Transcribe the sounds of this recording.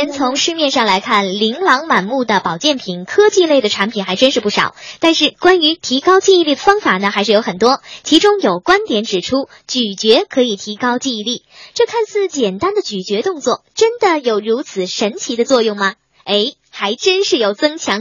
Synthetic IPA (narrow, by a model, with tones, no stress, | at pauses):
ɛ˥nt͡sʰʊ˧˥ŋʂɻ̩˥˧mjɛ˥˧nʂɑ˥˩ŋla˧˥ɪkʰa˥˩nli˧˥ŋlɑ˧˥ŋma˨˩nmu˥˩d̪ə˩pɑ˨˩ʊt͡ɕjɛ˥˩npʰi˨˩nkʰɤ˥t͡ɕi˥˧le˥˩ɪd̪ə˩ʈ͡ʂʰa˧˥npʰi˨˩nxa˧˥ɪʈ͡ʂə˥nʂɻ̩˥˧pu˥˩ʂɑ̰˨˩˦ʊt̪a˥˧nʂɻ̩˥˩kwa˥ny˧˥t̪ʰi˧˥kɑ˥ʊt͡ɕi˥˧i˥˧li˥˩d̪ə˩fɑ˥ŋfa˨˩nə˦xa˧˥ʂɻ̩˥˩jo˧˥ʊxə˨˩nt̪wɔ˥t͡ɕʰi˧˥ʈ͡ʂʊ˥ŋjo˨˩ʊkwa˥nt̪jɛ˨˧˥nʈ͡ʂɻ̩˨˩ʈ͡ʂʰu˥ | t͡ɕy˨˩t͡ɕɥɛ˧˥kʰɤ˧˥i˨˩t̪ʰi˧˥kɑ˥ʊt͡ɕi˥˧i˧li˥˩ʈ͡ʂɤ˥˧kʰa˥˧nsɹ̩˥˩t͡ɕjɛ˨˩nt̪a˥nd̪ə˨t͡ɕy˨˩t͡ɕɥɛ˧˥t̪ʊ˥˧ŋt͡swɔ̰˥˩ʈ͡ʂə˥nd̪ə˨jo˨˩ʊɻu˧˥t͡sʰɹ̩˨˩ʂə˧˥nt͡ɕʰi˧˥d̪ə˧t͡swɔ˥˧jʊ˥˩ŋmɐ˩ | e˧˥ɪ | xa˧˥ɪʈ͡ʂə˥nʂɻ̩˥˩jo˨˩ʊt͡sɤ˥ŋt͡ɕʰjɑ˧˥ŋ